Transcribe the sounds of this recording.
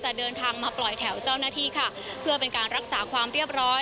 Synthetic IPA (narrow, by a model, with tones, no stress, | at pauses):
t͡ɕa˨˩dɤː˧nt̪ʰaː˧ŋmaː˧plɔ˨˩jt̪ʰɛ˩˦wt͡ɕaː˥˩wnaː˥˩t̪ʰiː˥˩kʰa˥˩ | pʰɯ˥˩ɐpe˧nkaː˧nɾa˦˥k̚saː˩˦kʰwaː˧mɾi˥˩əp̚ɾɔː˦˥